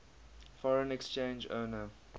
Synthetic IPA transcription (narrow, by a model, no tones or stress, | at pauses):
fɔɹə̃nɛkst͡ʃẽnd͡ʒo̰ːnə